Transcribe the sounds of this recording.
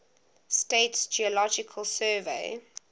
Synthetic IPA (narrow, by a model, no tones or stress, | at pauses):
steɪtsd͡ʒiəlɔd͡ʒɪkʰəlˠsɜːvḛɪ